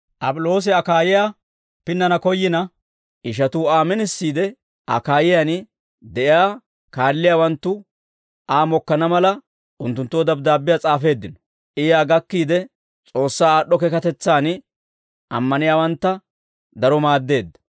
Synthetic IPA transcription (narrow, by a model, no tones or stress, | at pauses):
ʔɐpʼʊlo̞ːs̬ɪɐkaːjɪjaː | pɪnːɐnɐkɔjːɪnɐ | ʔɪʃ̬ɐt̪uːaːmɛnɪsːiːd̪ɛ | ʔɐ̰kaːjɪjaːn | d̪ɛʔɪjaː | kaːlːɪjaːwɐnt̪ːʊ | ʔaːmɔkːɐnɐmɐlɐ | ʔʊnt̪ːʊnt̪ːoːd̪ɐbd̪aːbːɪjaːt͡sʼaːfe̞ːd̪ːɪnɔ̥ | ʔɪjaːɡɐkːiːd̪ɛ | t͡sʼo̞ːsːaːaːɗːɔkɛkɐt̪ɛt͡sːaːn | ʔɐmːɐnɪjaːwɐnt̪ːɐ | d̪ɐɾɔmaːd̪ːe̞ːd̪ːɐ̥